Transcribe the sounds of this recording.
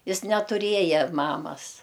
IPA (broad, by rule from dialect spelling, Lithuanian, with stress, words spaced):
ˈjɪs nʲɛtʊˈrʲiɛjɛ ˈmɑːmɐs